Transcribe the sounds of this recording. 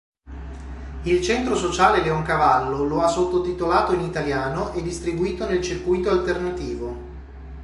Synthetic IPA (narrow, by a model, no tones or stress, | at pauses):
ilt͡ʃɛnt̪ɾosot͡ʃaːleleoŋkavalːoloasːot̪ːot̪it̪olaːt̪oinit̪aljaːnoʔed̪ːist̪ɾibuiːt̪onelt͡ʃirkujt̪oalt̪ernat̪iːvo